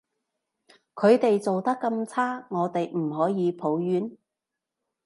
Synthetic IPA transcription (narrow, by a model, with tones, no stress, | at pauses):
kʰɵ˨˧ɥt̪e˨jt͡so˨wt̪ɐ˥kːɐ˧mt͡sʰaː˥ŋɔː˨˧t̪e˨jm̩˨˩ɦɔː˨˥jiː˨˧pʰo˨˥wjyː˨˥n